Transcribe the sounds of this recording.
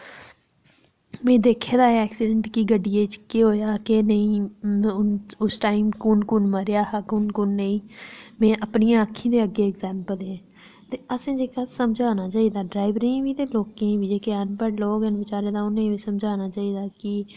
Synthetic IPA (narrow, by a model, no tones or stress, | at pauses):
mẽːd̪eːkʰeːd̪aːeɛːksɪɖəɳʈkiɡəɖːiːeːt͡ʃkeɦoːjaːkenəĩːʊnʊsʈaːimkʊnkʊnməɾjaːɦəkʊnkʊnːəĩːmɛ̃ːʔəpnijãːəkʰːĩːd̪eːəɡeːɛkzɛːmpəleẽː | t̪eːəsẽːd͡ʒeːkaːsəmd͡ʒʱaːnaːt͡ʃaːiːd̪aːɖɾaːɪʋɾẽʋiːt̪eːloːkẽːʋiːd͡ʒeːkeənpəɾloːkənʋɪt͡ʃaːɾeːd̪aːʊnẽiːsəmd͡ʒʱaːnaːt͡ʃaːiːd̪aːkɪ